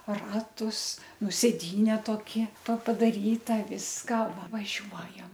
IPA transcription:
ˈrɑːtʊs ˈnʊ sʲeːˈdʲiːnʲɛ toːˈkʲɪ toː pɐ pɐdɐˈrʲiːtɐ ˈʋʲɪskɐ ʋɐ ʋɐˈʒʲuɔjɛm

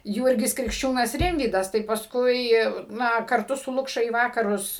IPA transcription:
ˈjuːrʲɡʲɪs krʲɪkʃʲˈt͡ʃʲuːnɐs ˈrʲɪmʲʋʲiːdɐs tɐɪ pɐsˈkʊɪ ˈnɐ kɐrˈtʊ sʊ ˈlˠʊkʃɐ iː ˈʋɑːkɐrʊs

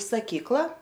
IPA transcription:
sɐˈkʲiːklˠɐ

